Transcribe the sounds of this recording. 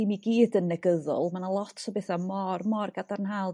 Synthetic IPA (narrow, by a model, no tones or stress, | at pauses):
imiɡiːdənːɛɡəðʊ̰lˠmanalˠɔtʰɔbeθamɔrmɔrɡadarnɦalˠ